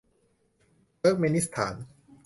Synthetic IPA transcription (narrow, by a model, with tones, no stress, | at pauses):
əː˦˥˩k̚me˧ni˦˥st̪ʰa̰ː˩˦n